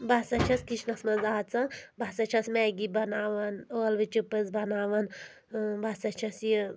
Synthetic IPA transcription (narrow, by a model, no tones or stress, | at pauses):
bɐsɐt͡ʃʰɐskiʃnɐsmɐzaːt͡sɐbɐsɐt͡ʃʰɐsmɛːɡibɐnaːʋɐnolʋit͡ʃupɨzbɐnaːʋɐn | bɐsɐt͡ʃʰɐsjə